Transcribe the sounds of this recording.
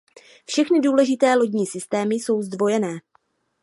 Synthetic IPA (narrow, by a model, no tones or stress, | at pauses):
fʃɛxnɪduːlɛʒɪt̪ɛːlo̞ɟɲiːsɪst̪ɛːmɪso̞wzdvo̞jɛnɛː